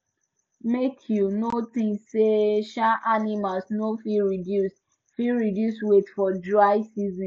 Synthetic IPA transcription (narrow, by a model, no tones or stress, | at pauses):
metʰjunotĩnsseʃaʔanimalsnofiɹidjus | fiɹidjuswetfɔdɹaɪsizĩ